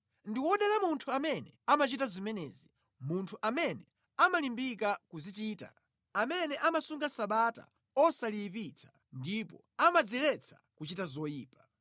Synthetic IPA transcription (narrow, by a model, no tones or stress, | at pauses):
ndiwɔɗalamuntʰuamɛnɛamat͡ʃitazimɛnɛ̰ːzi | muntʰuʔamɛnɛ | amalimbikakuzit͡ʃiːta̰ | amɛnɛʔamasuŋɡasaɓata̰ | ɔsalipit͡sʰḁ | ndipɔ̰ | amad͡zilɛt͡sʰḁ̰kut͡ʃitazɔjiːpḁ